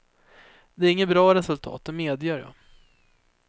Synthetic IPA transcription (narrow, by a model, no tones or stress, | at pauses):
d̪ɛæɾɪŋːət̪bɾɑːɾɛsɵlt̪ʰɑ̰ːt̪̚d̪ɛmeːd̪jœːɾjɑ̰